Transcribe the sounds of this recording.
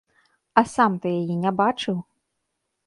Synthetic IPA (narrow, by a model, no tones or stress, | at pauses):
ɐsamt̪ɨjajɛnʲabat͡ʂɨw